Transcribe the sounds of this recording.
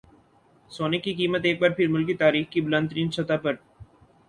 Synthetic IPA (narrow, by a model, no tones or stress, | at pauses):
soːnɪkikiːmət̪eːk̚baːɾpʰɪɾmʊlkit̪aːɾiːxkibʊlə̃nt̪əɾiːnsɐt̪apɐɾ